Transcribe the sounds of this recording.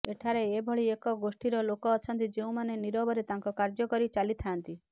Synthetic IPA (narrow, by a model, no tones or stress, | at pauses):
eʈʰaɾeebʱɔɭiekɔɡosʈiɾɔlokɔːt͡ʃʰɔnt̪id͡ʒeũmaneniɾɔbɔɾet̪aŋkɔkaɾd͡ʒɔkɔɾit͡ʃalit̪ʰaːnt̪i